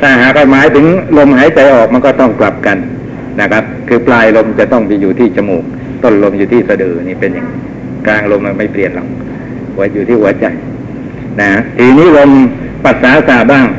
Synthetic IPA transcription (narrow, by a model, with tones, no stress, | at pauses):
t̪ʰaː˧˥˩ɦaː˨˩kʰɔ˧˩maː˨˦jt̪ʰɯ˨˦ŋlo˧mhɦaː˨˦jt͡ɕa˧jʔɔː˨˩k̚ma˧nkɔː˥˩t̪ɔ˥˩ŋkla˨˩p̚ka˧n | na˦˥˩kʰa˦˥p̚kʰɯː˧plaː˧jlo˧mt͡ɕa˨˩t̪ɔ˥˩ŋ˧juː˨˩t̪ʰiː˥˩t͡ɕa˧muː˨˩k̚ | t̪o˥˩nlo˧mjuː˨t̪ʰiː˥˩sa˧dɯː˨˩˧niː˥˩pe˧nja˨˩ŋ˧ | klaː˧ŋlo˧mʔa˧˩ma˥˩jpli˨ənlɔ˨˩ŋ | hu˩˦ɐjuː˨˩iː˥˩hu˩˦ɐt͡ɕa˧˩j | na˦˥a˥t̪ʰiː˧˩niː˦˥˨lo˧m | pa˨˩t̪̚saː˨˦˧saː˨˩t̚baː˥˩ŋ